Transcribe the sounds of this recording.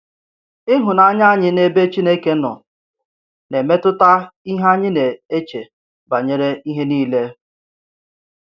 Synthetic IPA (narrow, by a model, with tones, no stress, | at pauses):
ɪ˦ɦʊ˨na˦ɲa˦ɲɪ˦ne˦be˦t͡ʃi˦ne˦ke˦nɔ̰˨ | ne˨me˦tʊ˦ta˦i˦ɦa˦ɲɪ˦ne˨e˦t͡ʃe˨ | ba˨ɲe˦ɾe˦i˦ɦe˦niː˦le˦